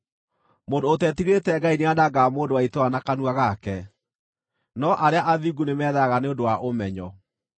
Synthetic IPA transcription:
moːndootɛtiɣetɛɡaineadaɡamoːndowaitoanakanuaɣakɛ | nɔʔaɾeaʔaðiɡunemɛːðaɣaneondowaʔomɛɲɔ

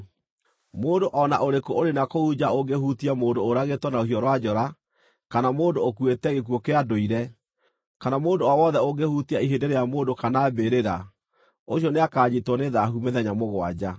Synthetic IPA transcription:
moːndoʔɔnaʔoɾekooɾenakoud͡ʑaoɡehutiamoːndoːɾaɣetwɔnaoɦiɔɾwad͡ʑɔɾa | kanamoːndoːkuetɛɣek̬uwokeadoiɾɛ | kanamoːndoawɔðɛoɡehutiaiɦendeɾejamoːdokanaːbeɾeɾa | oɕiɔneakaːd͡ʑitwɔneðaɦumɛðɛɲamoɣwa̰d͡ʑa

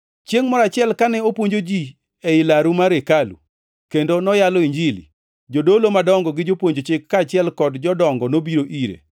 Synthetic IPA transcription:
t͡ʃjeŋmɔɾat͡ʃɪɛlkanɛopwoɲd͡ʒod͡ʒi | ɛɪlaɾumaɾekalṵ | kendonɔjalɔiɲd͡ʒilḭ | d͡ʒodolomadɔŋɡɔɡɪd͡ʒopwoɲd͡ʒot͡ʃɪkːat͡ʃɪɛlkɔdd͡ʒɔdɔŋɡɔnobiɾoʔiɾḛ

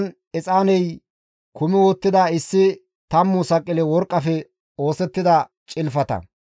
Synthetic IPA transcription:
n | ɛt͡sʼaːnɛj | kʊmɪwɔt̪ːɪd̪aːɪsːɪ | t̪ɐmːʊsɐkʼːɪlɛwɔɾkʼːɐfɛ | o̞ːsɛt̪ːɪd̪ɐ | t͡ʃʼɪlfɐt̪ɐ̰

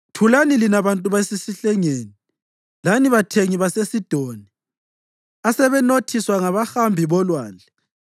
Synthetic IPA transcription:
tʰulanilinaβantʼuβaesisiɬɛŋeːni | laniβatʰeŋiβasesid̥ʱoːni | asɛβɛnotʰiswaŋaβaxambʱiβɔlwaːnd͡ɮʱɛ

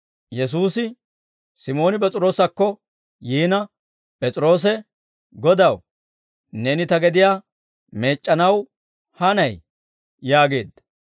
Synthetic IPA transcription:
jɛs̬uːsɪ | sɪmo̞ːnɪpʼɛt͡sʼɾo̞ːsɐkːɔ | jiːnɐ | pʼɛt͡sʼɾo̞ːs̬ɛ | ɡɔd̪ɐw | neːnɪt̪ɐɡɛd̪ɪjaː | me̞ːt͡ʃʼːɐnɐw | hɐnɐj | jaːɡe̞ːd̪ɐ

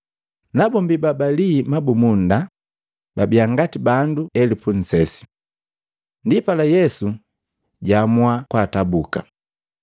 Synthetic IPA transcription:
nabɔmbibabalimabumunda | babiaŋɡatibanduɛlipun̩sɛsi̥ | ndipalajɛsu | ɟamwakwaːtabuka̰

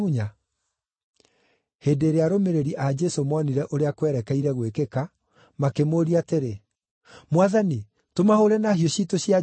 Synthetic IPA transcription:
uɲa | hedeɾeaɾomeɾeɾiʔad͡ʒɛsomɔniɾɛʔoɾeakwɛɾɛkɛiɾɛɣwekeka | makemoɾiateɾe | mwaðani | tomahoɾɛnaɦioɕitoɕja

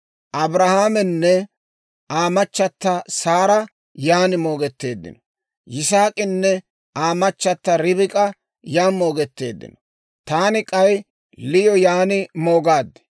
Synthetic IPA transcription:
ʔɐbɾɐhaːmɛnːɛ | ʔaːmɐt͡ʃːɐt̪ːɐsaːɾɐ | jaːnɪmo̞ːɡɛt̪ːe̞ːd̪ːɪ̰nɔ | jɪsaːkʼɪnːɛ | aːmɐt͡ʃːɐt̪ːɐɾɪbɪkʼɐ | jaːmo̞ːɡɛt̪ːe̞̰ːd̪ːɪ̰nɔ | t̪aːnɪkʼɐj | lɪjɔjaːnɪmo̞ːɡaːd̪ːɛ̥

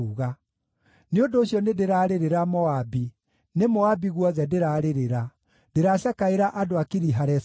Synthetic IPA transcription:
uɣa | neondoːɕjɔnedeɾaːɾeɾeɾamɔabi | nemɔabiɣwɔðɛdeɾaːɾeɾeɾa | d̥eɾaːɕakaeɾaʔadoakeɾiɦaɾɛs

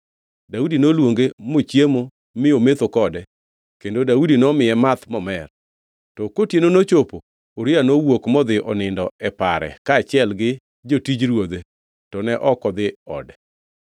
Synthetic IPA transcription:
daudinolwoŋɡemot͡ʃjemo | mɪomet̪okɔdɛ | kendodaudinɔmɪjɛmat̪mɔmɛr | tɔkotjenonot͡ʃopoː | ɾɪanowokmɔd̪ɪʔɔnɪndɔɛpaɾɛ̰kat͡ʃɪɛlɡɪ | d͡ʒotid͡ʒɾwod̪e | tɔnɛʔɔkɔd̪ɪɔ̰dɛ

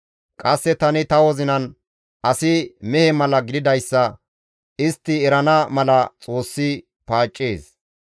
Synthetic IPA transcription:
kʼɐsːɛt̪ɐnɪt̪ɐwɔzɪnɐn | ɐsɪmɛhɛmɐlɐɡɪd̪ɪd̪ɐjsːɐ | ɪst̪ːɪɛɾɐnɐmɐlɐt͡sʼo̞ːsːɪ | paːt͡ʃʼːeːs

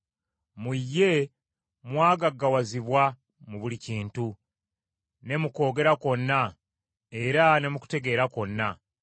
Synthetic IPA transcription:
mujːe̞ | mwaːɡaɡːawaziβwa | muβuliciːntu | ne̞muko̞ːɡe̞ɾako̞nːa | e̞ɾane̞muku̥te̞ɡe̞ːɾako̞nːa

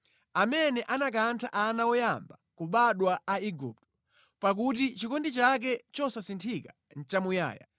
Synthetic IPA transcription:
amɛnɛʔanak̬antʰaʔanawɔjambakuɓaɗwaaiɡṵp̚tɔ̥ | pak̬utit͡ʃikɔndit͡ʃak̬ɛt͡ʃɔsasintʰika | n̩t͡ʃamuja̰ːja̰

